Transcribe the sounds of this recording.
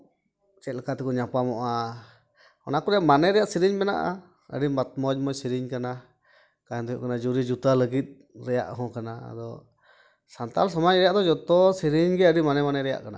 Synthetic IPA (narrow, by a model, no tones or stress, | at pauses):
t͡ʃelkat̪ekuɲãpamoʔa | onãkuɾeaʔmãnẽɾejaʔsiɾiɲbɛnã̰ʔa̰ | ə̰ɾimbat̪̚mõd͡ʒmõsiɾiɲkanã | kaend̪ujuʔkanãd͡ʒuɾid͡ʒut̪aləɡit̪̚ | ɾea̰ʔɦũkanãa̰d̪o | sant̪a̰ls̬amãɲɾjaʔd̪od͡ʒot̪osiɾiɲɡeaɾimanẽmanẽɾea̰ʔkana̰